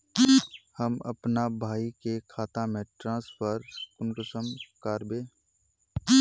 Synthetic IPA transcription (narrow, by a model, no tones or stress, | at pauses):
hɐmɐ̰pnabʱaːikekʰaːt̪ãmẽʈɾãːspəɾkʊnkəsəmkaːɾbẽː